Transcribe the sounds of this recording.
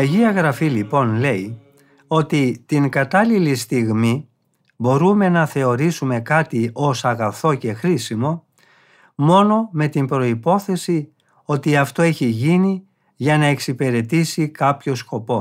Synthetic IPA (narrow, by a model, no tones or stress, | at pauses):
ɐʝiɐɣɾɐfilipo̞nle̞i | o̞t̪it̪iŋkɐt̪ɐlilist̪iɣmi | bo̞ɾume̞nɐθe̞o̞ɾisume̞kɐt̪io̞sɐɣɐθo̞ce̞xɾisimo̞ | mo̞no̞me̞t̪imbɾo̞ipo̞θe̞si | o̞t̪iɐft̪o̞e̞çiʝini | ʝɐnɐe̞ksipeɾe̞t̪isikɐpço̞sko̞po̞